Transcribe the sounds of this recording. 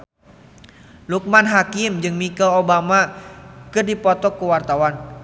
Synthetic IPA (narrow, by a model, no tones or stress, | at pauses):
luk̚manɦakimd͡ʒɨŋmikɔlobamakɨrdipɔt̪ɔkuwart̪awan